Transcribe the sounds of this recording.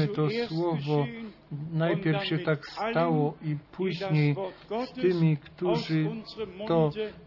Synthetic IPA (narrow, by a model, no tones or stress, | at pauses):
ɘt̪ɔswwɔvɔ | najpʲjɛɾfɕɛt̪akst̪awɔʔipʰuʑɲejst̪ɘmʲikt̪uʐɘt̪ɔ